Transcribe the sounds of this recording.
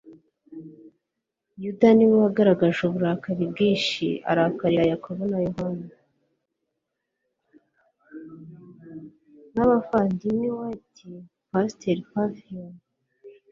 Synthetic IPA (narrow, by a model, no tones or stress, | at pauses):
judaniwihaɡaɾaɡaʒuβuɾakaɾibɡiːnʃḭa̰ɾakaɾiɾajakʰoβonajuɦana | naβafaːndiniwatʰi | pasteɾpafion